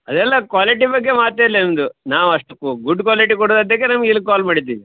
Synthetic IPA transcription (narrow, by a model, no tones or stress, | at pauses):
ɐd̪ɛlːɐkʋaːliʈibɐɡːe̞maːt̪ːeːlːend̪unaːʋɐʂʈɐkːuɡuɖːkʋaːliʈikɔɽd̪ad̪ːɐkːenɐmɐɡilːɡ̚kaːlmaːɽit̪ːiːʋi